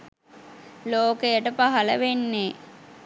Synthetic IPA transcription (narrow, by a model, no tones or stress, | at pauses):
loːkejəʈəpaɦɐləʋenːe